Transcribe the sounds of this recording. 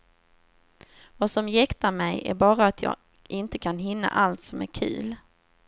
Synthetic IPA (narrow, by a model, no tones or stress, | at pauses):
vasɔmjɛkt̪aɾmɛjæ̰ɾbɑːɾaːt̪ʰjɑ̰ː | ʔɪnt̪əkʰanɦɪnːa̰ʔalt̪sɔmæ̰ɾkʰʉ̟̰ːl